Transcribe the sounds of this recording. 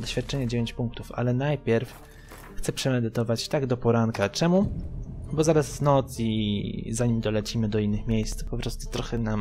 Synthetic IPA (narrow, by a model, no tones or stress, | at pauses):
d̪ɔɕfʲjat̪̚t͡ʂɛɲɛd͡ʑevʲeɲt͡ɕpuŋk̚t̪ufa̰lɛnajpʲjɛɾf | xt̪sɛpʂɛmɛd̪ɘt̪ɔvat͡ɕt̪aɡd̪ɔpɔɾaŋkat͡ʂɛmu | bɔzaɾazvnɔt̪sizaɲimʲd̪ɔlɛt͡ɕimɘd̪ɔinːɘxmʲjejst̪spɔpɾɔst̪u̥t̪ɾɔxɛna